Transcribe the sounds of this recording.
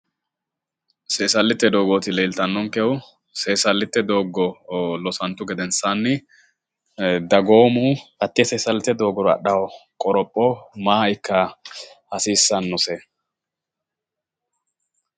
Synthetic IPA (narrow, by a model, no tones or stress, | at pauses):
seːsɐlːɪt̪ːɛd̪oːɡoːt̪ɪleːlt̪ɐnːɔŋkɛʊ | se̞ːsɐlːɪt̪ːɛd̪o̞ːɡɔlɔsɐnt̪ːʊɡɛd̪ɛnsanːɪ | d̪ɐɡo̞ːmuːɐt̪ːɪɛseːsɐlːɪt̪ːɛd̪o̞ːɡɔɾɔɐ̰ɗɐwɔkʼɔɾɔpʼːɔmaːɪkːɐhɐsiːsːɐnːɔsɛ